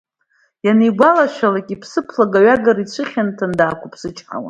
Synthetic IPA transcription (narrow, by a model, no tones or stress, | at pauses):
janejɡʷalaʃʷᶣalakʲʼipʰsɨpʰlaɡaɥaɡaɾit͡ɕʷʰɨχʲantʰandaːkʷʰʊpʰsɨt͡ʃʼħa̰wa̰